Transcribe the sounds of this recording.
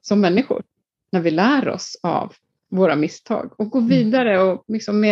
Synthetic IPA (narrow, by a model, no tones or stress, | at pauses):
sɔmːɛnːɪɧʊ̰ | næɾvɪlæːɾɔ̰sa̰v | voːɾamɪst̪ʰɑ̰ːɡɔk̚ɡoːviːd̪aɾəɔlɪksɔmːeː